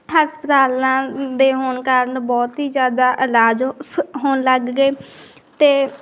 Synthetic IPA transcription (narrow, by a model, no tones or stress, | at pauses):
ɦaːspət̪aːlãːd̪eːɦoːnkaːɾənbɔːt̪iːzjaːd̪aːʔɪlaːd͡ʒɦoːnləɡːeː | t̪eː